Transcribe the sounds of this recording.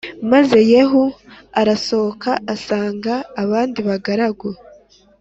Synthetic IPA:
maze̞je̞ːɦuaɾaso̞okʰaːsaːŋɡaːβaːndiβaɡaɾaɡo

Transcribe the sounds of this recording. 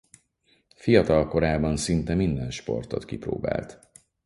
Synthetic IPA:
fijɒt̪ɒlko̞ɾaːbɒnsint̪ɛmind̪ɛnʃpo̞̰rt̪o̞t̪kipro̰ːba̰ːlt̪

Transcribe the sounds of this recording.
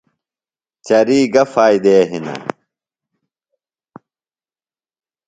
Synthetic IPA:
t͡ɕɐɾiːɡɐfaːjd̪eɐɦinɐ̰

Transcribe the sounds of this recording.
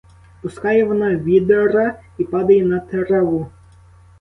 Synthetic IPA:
pʊskɑjɛʋɔnɑʋʲid̪eɾɐipɑd̪ɐjɛnɐt̪eɾɛʋu

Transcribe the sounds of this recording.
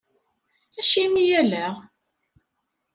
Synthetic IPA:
æʃimijælæ

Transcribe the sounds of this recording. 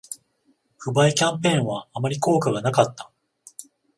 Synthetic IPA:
ɸɯ̟baikʲãmpẽ̞ːɰ̃βaːmaɾʲiko̞ːkaɡanakat̪ːḁ

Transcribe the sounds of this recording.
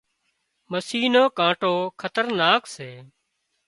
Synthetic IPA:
məsiːnoːkãːʈoːkʰət̪əɾnaːkseː

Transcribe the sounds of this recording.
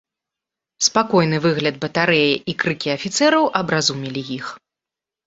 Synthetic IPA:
spakɔjnɨvɨɣlʲɐd̪̚bɐt̪aɾɛjiʔikɾɨkʲiɐfʲit̪sɛɾɐwʔɐbɾazumʲilʲijix

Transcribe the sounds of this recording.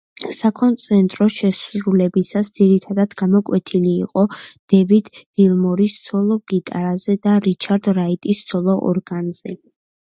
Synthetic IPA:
sakʰɔnt̪sʼʰɛnt̪ʼɾɔʃɛsɾulɛbisasd̪z̥iɾit̪ʰad̪ad̪̥ɡamɔkʼwɛt̪ʰiliːqʼɔd̪̥ɛvid̪dilˠmɔɾist̪sʰɔlˠɔɡ̥it̪ʼaɾazɛd̪aɾit͡ʃʰaɾd̪ɾait̪ʼist̪sʰɔlˠɔʔɔ̰ɾɡanz̥ɛ

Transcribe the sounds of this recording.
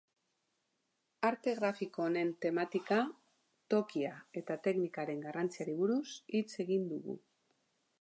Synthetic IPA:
aɾt̪e̞ɣɾafikoːne̞nt̪e̞mat̪ika | t̪o̞kiae̞t̪at̪e̞knikaɾe̞ŋɡarant͡siaɾiβuɾusit͡se̞ɣind̪uɣṵ

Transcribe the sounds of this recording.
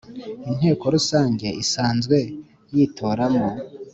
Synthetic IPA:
in̥he̞ːko̞ɾusaːɲɟe̞isaːnzɡwe̞ | jiːtʰo̞ːɾamo

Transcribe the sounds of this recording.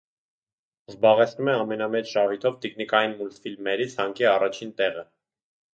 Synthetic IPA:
zbɑʁɛt͡sʰnumɛɑmɛnɑmɛt͡ʃʰʃɑvit̪ʰɔvt̪ikʰnikɑjinmult̪filmɛɾit͡sʰhɑŋkiɑrɑt͡ʃʰint̪ɛʁə

